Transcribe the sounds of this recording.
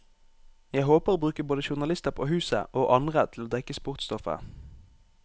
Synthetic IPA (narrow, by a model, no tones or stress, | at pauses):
jæɪhoːpəʁoːbʁʉːkəboːd̪əʃʊʁnɑlɪst̪əʁpʰoːhʉːsə̰ʔoːʔɑnʁət̪ʰl̩oːd̪ɛkəspʊʁt̪st̪ɔfə̰